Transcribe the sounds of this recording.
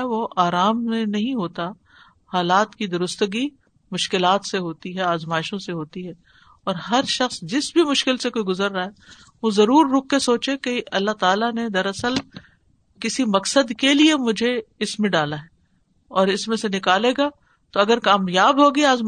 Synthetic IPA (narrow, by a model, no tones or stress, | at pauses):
ʋoʔaːɾaːmsẽnɐɦĩɦoːt̪a | haːlaːt̪kid̪ʊɾʊst̪ɡi | mʊʃkɪlaːt̪seɦoːt̪iɦɛaːzmaːɪʃõseɦoːt̪iɦɛː | ɔːɾɦɐɾʃɐxsd͡ʒɪsbʱimʊʃkɪlsekoːiɡʊzəɾːaːɦɛ | ʋozɐɾuːɾːʊk̚kesoːt͡ʃekeʔɐlːaɦt̪aːlaned̪ɐɾɐsəl | kɪsimɐksəd̪keliemʊd͡ʒʱeɪsmẽɖaːlaɦɛː | ɔːɾɪsmẽsenɪkaːleːɡaː | t̪oɐɡəɾkaːmjaːbɦoːɡiaːz